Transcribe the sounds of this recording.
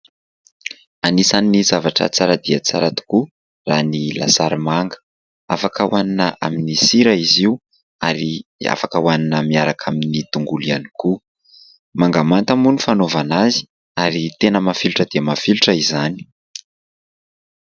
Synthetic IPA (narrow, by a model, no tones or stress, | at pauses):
anisanːizavaʈ͡ʂə̰t͡saɾad̪iat͡saɾat̪u̥ku | ranila̰saɾimaŋɡə̥ | a̰fakəuwʔaninəa̰minisiɾəiziu | a̰ɾia̰fakəwaninəmiaɾakʰaminit̪uŋɡulianiku | maŋɡamant̪əmunifanovanazi̥ | aɾit̪enəmafiluʈ͡ʂəd̪eamafiluʈ͡ʂəizani̥